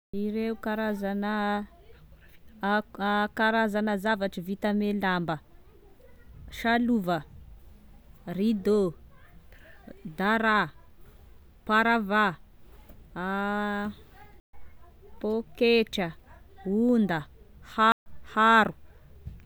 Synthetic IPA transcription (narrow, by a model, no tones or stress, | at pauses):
iɾeukaɾazanə | kaɾazanəzavaʈ͡ʂəvit̪əmelambə | ʃaluvə | rid̪o | d̪aɾa | paɾava | pokeʈ͡ʂə | und̪əhahaɾu